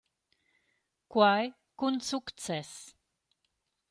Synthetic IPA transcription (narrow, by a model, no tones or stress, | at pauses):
kwaj | kunsukt̪t͡sɛs